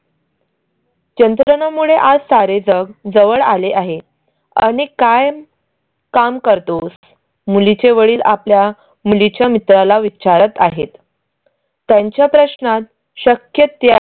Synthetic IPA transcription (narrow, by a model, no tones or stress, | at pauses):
t͡ɕənt̪ɾənamuɭeʔad͡zsaɾed͡zəɡd͡zəʋəɭaleʔaɦe | a̰ɽ̃ikaj | kamkəɾt̪os | mulit͡ɕeʋəɭiːlaplja | mulit͡ɕjamit̪ɾalaʋit͡ɕaɾət̪aɦet̪ː | jaɲt͡ɕjapɾəɕnat̪ | ɕəkjət̪ja